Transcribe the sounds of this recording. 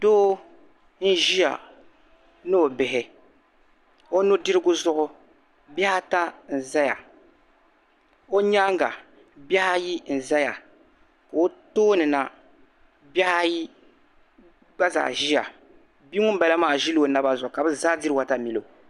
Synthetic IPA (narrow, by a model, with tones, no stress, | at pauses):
doː˦ | n̩˦ʒi˦ja̰˨ | nɨ˦o˨bɪ˨ɪ˨ | o˦nʊ˦dɪ˦ɾɨ˦ɡʊ˦zʊ˦ʔʊ˦ | bɛ˦ha˦ta˦n̩˨za˦ja̰˨ | o˦ɲa˦ŋɡa̰˨ | ba˦ha˦ji˦n̩˨za˦ja˨ | ka˨o˦toː˦nɨ˨na˨ | bɛ˦ha˦ji˦ | ɡ͡ba˦za̰ː˨ʒi˦ja̰˨ | bi˦ŋʊ˦m̩˦ba˨la˦maː˦˨ʒi˦lo˨na˦ba˦zɔ˨ka˨bɨ˦zaː˦dɪ˦ɾwa˨ta˨mi˨lo˨